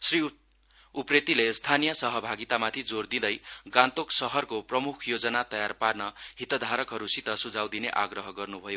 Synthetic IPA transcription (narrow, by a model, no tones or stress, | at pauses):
sri | upret̪ilest̪ʰanijʌsʌɦʌbʱaɡit̪amat̪ʰid͡zord̪id̪ʌjɡãnt̪oksʌɦʌrkoprʌmukʰjod͡zʌnat̪ʌjarparnʌɦit̪ʌd̪ʱaɾʌkɦʌɾusit̪ʌsud͡zawd̪ineʔaɡrʌɦʌɡʌrnubʱʌjo